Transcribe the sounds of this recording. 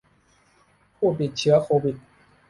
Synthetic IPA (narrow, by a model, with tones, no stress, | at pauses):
pʰuː˥˩˨t̪̬i˨˩t̪̚t͡ɕʰɯ˧˦ɐ˦kʰoː˧wi˨˩t̪̚